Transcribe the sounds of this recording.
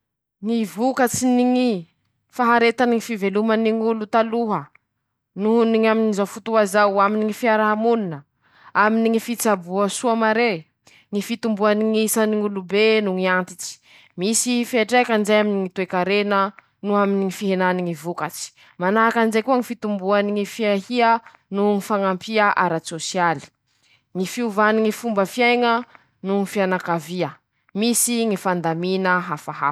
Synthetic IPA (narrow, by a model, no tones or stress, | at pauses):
ŋivukat͡siniŋi | faɦaɾet̪aniŋifiveluməniŋulut̪aluɦə | nuuniŋaminizawfut̪uɦazawaminiŋifiaɾaɦamuninə | aminiŋifit͡sabuəsuamaɾe | ŋifit̪umbuaniŋisaniŋulubenuŋiant̪it͡si̥ | misifieʈ͡ʂekanzejaminiŋit̪uekaɾenə | nuaminiŋifiɦenaniŋivukat͡si̥ | manaɦakanzekuəŋifit̪umbuaniŋifiaɦiə | nuŋifaŋampiaʔaɾat͡sosiali̥ | ŋifiuvaniŋifumbəfiajŋə | nuŋifianakaviə | misiŋifand̪aminəɦafaɦa̰